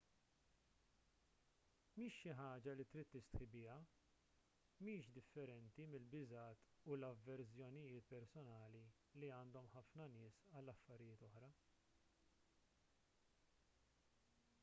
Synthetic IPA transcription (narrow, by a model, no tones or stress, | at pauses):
miːʃːɪħɐːd͡ʒɐlit̪ɾiːt̪ːɪst̪ħɪbɪːjɐ | miːʃd̪ɪfːɛɾɛnt̪imɪlbɪzɐːt̪ulɐvːɛɾsjɔnɪjɪːt̪pɛɾsɔnɐːli | liɐːnd̪ɔmħɐfnɐnɪːsɐlːɐfːɐɾɪjɪːt̪ɔħɾɐ